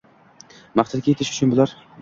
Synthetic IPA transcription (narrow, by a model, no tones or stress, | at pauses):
maχt̪ʰad̪̚kʲajet̪ʰɪʃʊ̥t͡ʃʰʊnbʊlˠaɾ